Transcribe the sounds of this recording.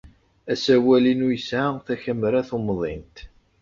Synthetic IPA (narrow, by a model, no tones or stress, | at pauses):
æsæwælinujəsaθæçæməɾæθomðˤint̪